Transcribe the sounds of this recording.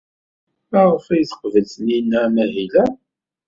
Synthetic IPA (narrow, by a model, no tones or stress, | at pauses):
æʁəfæjθə̥qvəlθəninːæmæɦilæ